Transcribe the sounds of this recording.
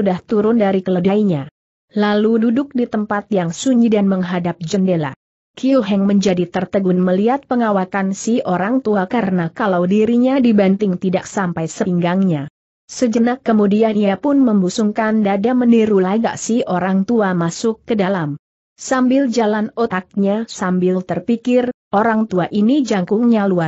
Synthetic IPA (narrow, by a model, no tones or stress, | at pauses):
udaht̪uɾʊndaɾikələdaiɲa | lalududʊk̚dit̪əmpat̪̚jaŋsuɲd͡ʒidanməŋɦadap̚d͡ʒəndela̰ | kiuɦɛŋməɲd͡ʒadit̪ərt̪əɡunməliat̪̚pəŋawak̪ansihoɾaŋt̪uakaɾənakalawdiɾiɲadibant̪ɪŋt̪idak̚sampajsəŋɡaŋɲa | səd͡ʒənakːəmudianiapʊnməmbusuŋkandadaməniɾulaɡa̰ʔsihoɾaŋt̪uamasʊkːədalam | sambɪld͡ʒalanot̪ak̚ɲasambɪlt̪ərpikɪr | oɾaŋt̪uaʔinid͡ʒaŋkʊŋɲalua